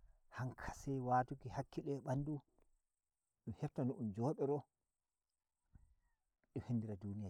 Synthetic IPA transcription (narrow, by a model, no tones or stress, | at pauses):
haŋkʰḁsɛjwatukihakːiɗɛɓanːdu | ɗuhɛftanɔʔund͡ʒɔːɓɛɾɔ | ɗɔhenːdiɾadunija